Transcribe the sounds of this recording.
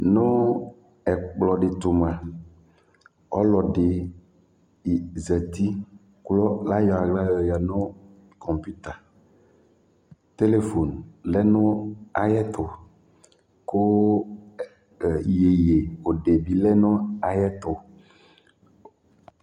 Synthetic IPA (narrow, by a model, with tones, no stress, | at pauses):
nʊ̃˦ | ɛ˨k͡plɔ˨ɖɪ˨t̪o˨m˨ã˨ | ɔ˦lɔ˨ɖe˨ | zɛ˨t̪i˦ | klɔ˦la˦jɔ˨a˨ɡla˦jja˨nʊ̃˦ | kɔ˨mpi˦t̪a˨ | t̪e˦le˨fo˨nlɛ˦nʊ̃˦a˨jɛ˦t̪ʊ˨ | ko˦˨ | je˨je˨o˨ɖe˨bi˨lɛ˦nʊ̃˦a˨jɛ˦t̪ʊ˨